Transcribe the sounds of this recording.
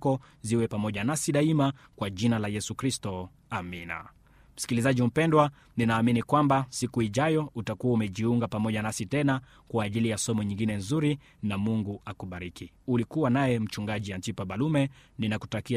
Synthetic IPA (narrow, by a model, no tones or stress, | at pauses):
kɔ | ziwɛpamɔʄanasiɗaimakwaʄinalajɛsukɾistɔ | amina̰ | m̩si̥kilizaʄim̩pɛndwa | ninaːminikwambasikuiʄajɔutakuwaumɛʄiuŋɡapamɔʄanasitɛna | kwaːʄilijasɔmɔɲĩŋɡinɛnzuɾi | namuŋɡuakuɓaɾiki | ulikuwanajɛm̩t͡ʃuŋɡaʄiantipaɓalumɛninaku̥taki